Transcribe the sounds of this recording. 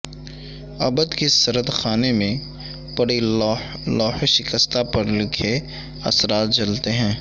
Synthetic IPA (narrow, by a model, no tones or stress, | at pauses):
ɐ̰bəd̪kisɐɾəd̪xaːnemẽ | pɐɽi | lɔːhʃɪkəst̪apɐɾlɪkʰe | ɐ̰sɾaːt̪̚d͡ʒɐlt̪eɦɛ̃ː